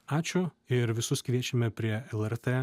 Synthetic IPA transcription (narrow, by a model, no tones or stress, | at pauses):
ɑːt͡ʃʲʊ | ɪɾʋʲɪsʊskʋʲiɛt͡ʃʲɛmʲɛpʲɾʲiɛɛlˠɛɾt̪e